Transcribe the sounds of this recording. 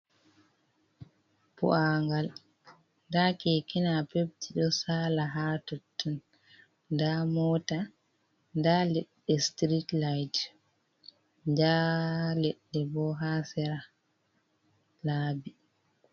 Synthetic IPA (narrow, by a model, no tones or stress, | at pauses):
pṵʔaŋɡal | ndakɛkinapeb̚tiɗɔsaːlaɦatotʰːun | ndamɔːta | ndalɛɗːɛstɾitlajt | ɲd͡ʒalɛɗːɛbɔɦasɛɾa | laːbi